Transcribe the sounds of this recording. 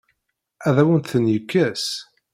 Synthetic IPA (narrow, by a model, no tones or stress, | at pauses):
æðæwənt̪θənjəkːæs